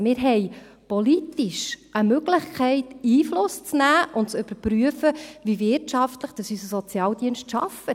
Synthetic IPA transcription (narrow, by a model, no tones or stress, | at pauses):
mɪːɾɦɛj | politiʃʔəmøɡləχkʰɛɪtiːflʊst͡snæːʔʊntt͡sʏb̥əɾpɾyəfəʋivɪɾtʃɑftləχd̥ɑsysəsɔt͡sjɑːld̥̪iənʃtʃɑ̰fət